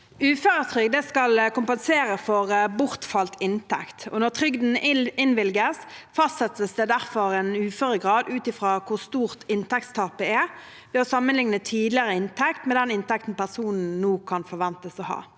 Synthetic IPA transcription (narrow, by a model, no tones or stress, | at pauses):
ʉːføːɾət̪ʰɾʏɡd̪ɛskɑlkʊmpɛnseːɾəfɔʁbʊʁt̪fɑlt̪ɪnt̪ʰɛ̰kt̪ɔ̰nɔʁt̪ʰʁʏɡd̪n̩ɪnʋɪlɡəsfɑst̪sɛt̪ːəsd̪ɛd̪æʁfɔʁɛnʉːføːʁəɡʁɑːd̪ʉːt̪ɪfʁɑːkʰʊʁst̪uːʁt̪ɪnt̪ʰɛk̚t̪st̪ʰɑːpəɛ | ʋɛːɔsɑmːənlɪŋnət̪ʰiːd̪lɪəʁəɪnt̪ʰɛkt̪mɛd̪ɛnɪnt̪ɛk̚t̪n̩pæʁsuːnn̩nuːkʰɑnfɔʁʋɛnt̪əsɔhɑ̰ː